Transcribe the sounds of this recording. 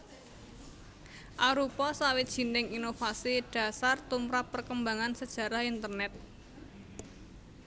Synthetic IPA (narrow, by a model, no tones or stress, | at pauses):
ʔaɾupɔsawɪt̪̚dʒ̥i̤nɪŋinofasiɖ̥a̤sart̪umɾapːərkəmbaŋansəd̥ʒ̥a̤ɾahint̪ərnɛt̪̚